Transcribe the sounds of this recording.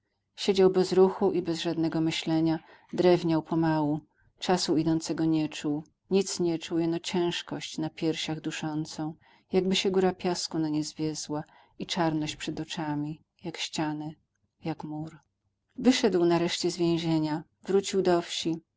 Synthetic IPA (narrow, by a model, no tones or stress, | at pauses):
ɕed͡ʑawbɛzɾuxuʔibɛzʐad̪nɛɡɔmɘɕlɛɲa | d̪ɾɛvɲawpɔmawu | t͡ʂasuid̪ɔnt̪sɛɡɔɲɛt͡ʂuw | ɲit̪sɲɛt͡ʂujɛnɔt͡ɕɛ̃w̃ʂkɔɕt͡ɕnapʲjɛɾɕaɣd̪uʂɔnt̪sɔ̃w̃ | jaɡ̚bɘɕɛɡuɾapʲjaskunaɲɛzvʲjɛzwa | it͡ʂaɾnɔɕt͡ɕpʂɛd̪ɔt͡ʂamʲi | jakɕt͡ɕanɛ | jakmuɾ | vɘʂɛd̪wnaɾɛʂt͡ɕɛzvʲjɛ̃w̃ʑeɲa | vɾut͡ɕiwd̪ɔfɕi